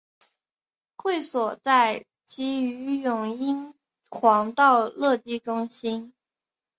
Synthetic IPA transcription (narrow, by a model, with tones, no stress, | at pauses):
xwe˥˩ɪswɔ˨˩t͡sa˥˩ɪ | t͡ɕi˧˥y˧˥jʊ˨˩ŋi˥n | xwɑ˧˥ŋt̪ɑ˥˧ʊlɤ˥˧t̪i˥˩ʈ͡ʂʊ˥ŋɕi˥n